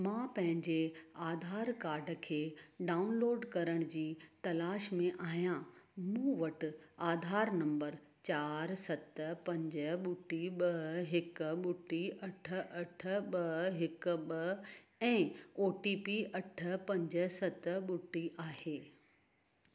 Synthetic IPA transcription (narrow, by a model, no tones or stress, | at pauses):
mãːpɐ̃ɦɪ̃ɲd͡ʑeaːd̪ʱaːɾkaːɾɖ̆kʰeːɖaːʊnloːɖkɐɾəɽ̃ʊd͡ʑiːt̪ɐlaːʃmẽʔaːɦijãmũːʋɐʈɪ̆aːd̪ʱaːɾnɐ̃mbəɾ | t͡ɕaːɾsɐt̪əpɐ̃ɲd͡ʑəɓʊʈːiɓɐɦɪkɓʊʈːiʔɐʈʰə̆ʔɐʈʰə̆ɓɐɦɪkɓɐɛ̃ːoːʈiːpiɐʈʰə̆pɐ̃ɲd͡ʑə̆sɐt̪ə̆ɓʊʈːiʔaːɦeː